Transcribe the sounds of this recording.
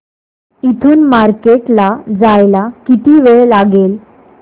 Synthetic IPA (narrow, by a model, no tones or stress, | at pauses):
it̪ʰuːnmaɾkeʈlad͡zajlakit̪iːʋeɭelaɡel